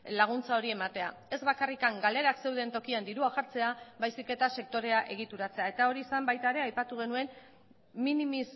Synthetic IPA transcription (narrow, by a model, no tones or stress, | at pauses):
laɣ̞unt͡sao̞ɾie̞mat̪e̞a̰ | e̞zβakarikaŋɡale̞ɾakse̞wðe̞nt̪o̞kiand̪iɾuaxaɾt͡se̞aβajsike̞t̪ase̞k̚t̪o̞ɾe̞aʔe̞ɣ̞it̪uɾat͡se̞ae̞t̪ao̞ɾiːsambajt̪aeɾe̞ajpat̪uɣ̞e̞nue̞n | minimis